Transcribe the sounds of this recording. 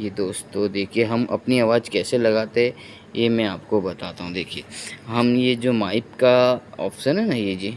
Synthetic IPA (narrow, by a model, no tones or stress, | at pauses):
jed̪oːst̪ːod̪eːkʰieɦɐmʔɐ̰pniaːʋaːd͡ʒkɛːselɐɡaːt̪eɦɛ̃ | jemɛ̃aːpkobɐt̪aːt̪aɦũd̪eːkʰieɦɐmjed͡ʒoːmaːɪpkaɔ̰ːfɪ̥ʃənɦɛnɐɦjed͡ʒiː